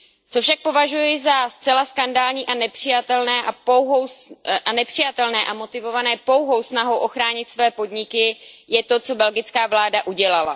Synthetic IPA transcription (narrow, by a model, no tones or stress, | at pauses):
t͡so̞fʃak̚po̞vaʒujɪzast͡sɛlaskandaːlɲiːʔanɛpr̝̥ɪjat̪ɛlnɛːʔapowɦowsʔanɛpr̝̥ɪjat̪ɛlnɛːʔamo̞t̪ɪvo̞vanɛːpo̞wɦo̞wsnaɦo̞wʔo̞xɾaːɲɪt̪svɛːpo̞dɲɪkɪjɛt̪o̞t͡so̞bɛlɡɪt͡skaːvlaːdaʔuɟɛlala̰